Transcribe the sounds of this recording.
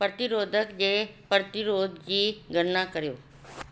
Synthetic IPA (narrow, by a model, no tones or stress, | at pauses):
pɾɐt̪ɪɾoːd̪ʱəkd͡ʑepɾət̪ɪɾoːd̪ʱd͡ʑiːɡʱəɾnakəɾjoː